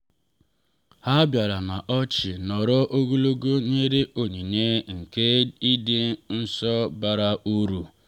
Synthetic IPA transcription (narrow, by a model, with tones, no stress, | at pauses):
ha˦bja˨ɾa˨na˨ʔɔ˦t͡ʃɪ˨nɔ˨ɾɔ˦ʔo˦ɡu˦lo˦ɡo˦ɲe˦ɾe˦o˨ɲi˨ne˦ŋ̩˨ke˦i˦de˦n̩˦sɔ˦ba˦ɾa˦u˦ɾu˨